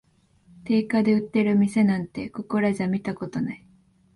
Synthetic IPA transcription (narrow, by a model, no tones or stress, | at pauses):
t̪e̞ːkad̪e̞ɯ̟t̪ːe̞ɾɯ̟mʲise̞nãnt̪e̞ko̞ko̞ɾaʑamʲit̪ako̞t̪o̞nai